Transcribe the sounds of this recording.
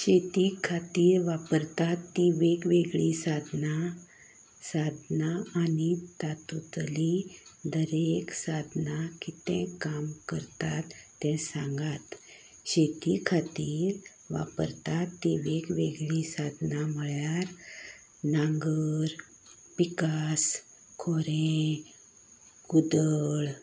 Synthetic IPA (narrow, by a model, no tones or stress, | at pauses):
ɕet̪ikʰat̪iːɾʋapəɾt̪at̪ːiʋeɡʋeɡɭisad̪na | sad̪ʱnaanit̪at̪ut̪lid̪əɾeksad̪ʱnakit̪ɛ̰̃kamkəɾt̪at̪ː | ɛ̃sãŋɡat̪ | ɕet̪ikʰat̪iːɾ | ʋa̰pə̰ɾt̪at̪ːiʋekʋeɡɭisad̪ʱnam̤əɭjaɾ | naŋɡəɾ | pikas | kʰoɾẽ | ɡud̪əɭ